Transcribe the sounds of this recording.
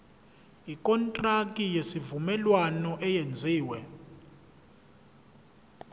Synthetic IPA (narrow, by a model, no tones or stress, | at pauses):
ikʼɔntʼrakʼijesivumɛlwanɔʔɛjend͡zʱiːwɛ